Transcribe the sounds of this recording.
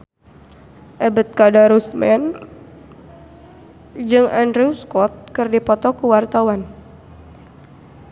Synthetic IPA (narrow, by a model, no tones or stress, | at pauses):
ʔɛbət̪̚kadaɾusmɛn | d͡ʒɨŋandɾiuskɔt̪̚kɨrdipɔt̪ɔkuwart̪awan